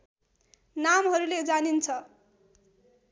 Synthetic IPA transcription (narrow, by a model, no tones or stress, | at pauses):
namɦʌɾuled͡zanint͡sʰʌ